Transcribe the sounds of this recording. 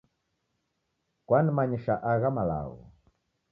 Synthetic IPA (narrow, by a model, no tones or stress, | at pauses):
kwanimaɲiʃaʔaɣamala̰ɣɔ̰